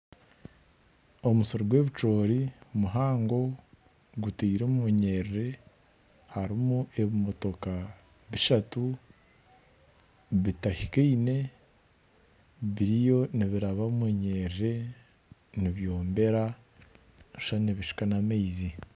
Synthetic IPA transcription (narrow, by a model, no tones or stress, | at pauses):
o̞musoɾoɡwe̞ːβit͡ʃo̞ːɾimuɦaːŋɡo̞ | ɡutiːɾomeɲe̞ɾɾe̞ | haɾimue̞βimo̞to̞ka | βiʃatu | βitahikiiːne̞ | βiɾijo̞niβiɾaβamweɲe̞ɾɾe̞ | niβjo̞ːmbe̞ɾa | iʃaneβiʃi̥kanamejzi